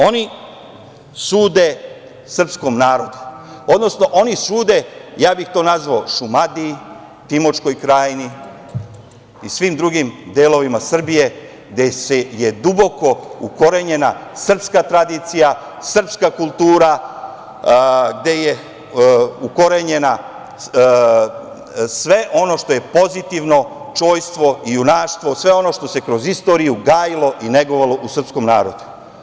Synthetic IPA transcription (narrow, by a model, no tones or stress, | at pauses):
o̞ni | suːd̪e̞ | sr̩psko̞mnaːɾo̞d̪uo̞d̪no̞sno̞ʔo̞nisuːd̪e̞jaːbixt̪o̞ːnazʋaoʃumad̪i | t̪imot͡ʃko̞jkɾaːjni | isʋimd̪ɾuɡimd̪elo̞ʋimasr̩bije̞ | ɡd̪eseje̞d̪ubo̞ko̞uko̞ɾe̞ɲe̞nasr̩pskat̪ɾad̪it̪sija | sr̩pskakulˠt̪uːɾa | ɡd̪e̞je | uko̞ɾeɲe̞na | sʋe̞ʔo̞no̞ʃt̪o̞je̞po̞zit̪iʋno̞ | t͡ʃo̞ːjst̪ʋo̞ijunaːʃt̪ʋo̞sʋe̞o̞no̞ʃt̪o̞se̞kɾo̞zist̪o̞ːɾijuɡaːjilˠo̞ʔine̞ɡoʋalo̞ʔusr̩psko̞mnaːɾo̞d̪u̥